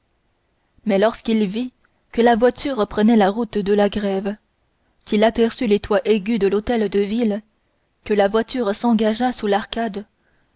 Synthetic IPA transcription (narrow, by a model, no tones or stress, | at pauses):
mɛlɔʁskilvi | kəlavwat̪ʰyʁpχənɛlaʁut̪d̪əlaɡʁɛv | kʲilapɛʁsylet̪waʔeɡʲyd̪əlot̪ɛld̪əvil | kəlavwat̪ʰyʁsɑ̃ɡaʒasulaʁkad̪